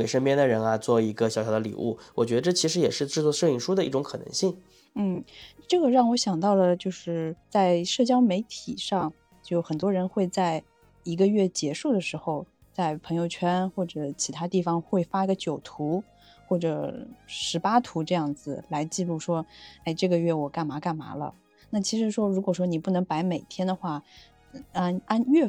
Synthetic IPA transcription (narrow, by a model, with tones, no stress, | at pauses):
e˨˩ɪʂə˥ŋpjɛ˥nd̪ə˨ɻə˧˥nɐ˧t͡swɔ˥˩i˧˥ɡə˧ɕjɕjɑ˨˧˩d̪ə˦lḭ˨˩ʔṵ˥˩wɔ˨˩t͡ɕɥɛ˧˥d̪ə˧ʈ͡ʂɤ˥˩t͡ɕʰi˧˥ʂɻ̩˧˥jɛ˨˩ʂɻ̩˥˧ʈ͡ʂɻ̩˥˧t͡swɔ˥˧ʂɤ˥˧i˥˩ŋʂu˥d̪ə˧˦i˥˩ʈ͡ʂʊ˧˥ŋkʰɤ˨˩nɤ̰˧˥ŋɕi˥˩ŋ | n̩˥˩ʈ͡ʂɤ˥˩ɡə˩ɻɑ˥˩ŋwɔ˧˥ɕjɑ˨˩ŋt̪ɑ˥˩ʊlə˩t͡ɕjo˥˧ʊʂɻ̩˥˩t͡sa˥˧ɪʂɤ˥˩t͡ɕjɑ˥ʊme˧˥ɪt̪ʰi˨˩ʂɑ˥˧ŋ | t͡ɕjo˥˩xə˨˩nt̪wɔ˥ɻə˧˥nxwe˥˧ɪt͡sa˥˩ɪ | i˧˥ɡə˧ɥɛ˥˩t͡ɕjɛ˧˥ʂu˥˩d̪ə˩ʂɻ̩˧˥xo˧ʊ | t͡sa˥˩ɪpʰɤ˧˥ŋjo˧ʊt͡ɕʰɥɛ˥nxwɔ˥˩ʈ͡ʂɤ˨˩t͡ɕʰi˧˥t̪ʰa˥t̪i˥˩fɑ˩ŋxwe˥˩ɪfa˥i˧˥ɡə˧t͡ɕjo˨˩ʊt̪ʰu˧˥ | xwɔ˥˩ʈ͡ʂɤ˨˩ʂɻ̩˧˥pa˥t̪ʰu˧˥ʈ͡ʂɤ˥˧jɑ˥˩ŋd͡zɹ̩˩la˧˥ɪt͡ɕi˥˧lu˥˩ʂwɔ˥e˥˧ɪʈ͡ʂɤ˥˩ɡə˩ɥɛ˥˩wɔ˨˩ka˥˩nma˧˥ka˥˩nma̰˧˥lə̰˧ | na˥˩t͡ɕʰi˧˥ʂɻ̩˧˥ʂwɔ˥ɻu˧˥kwɔ˨˩ʂ̬wɔ˥ni˨˩pu˥˩nɤ˧˥ŋpa˧˥ɪme˨˩ɪt̪ʰjɛ˥nd̪ə˨xwa˥˩ | a˥na˥nɥɛ˥˩